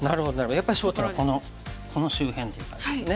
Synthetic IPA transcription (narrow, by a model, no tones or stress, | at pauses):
naɾɯ̟ho̞d̪onaɾebajapːaɾiɕoːt̪oako̞no | kʰo̞no̞ɕɨːhẽ̞nt̪ːe̞jɯ̟t̪ːã̰nesone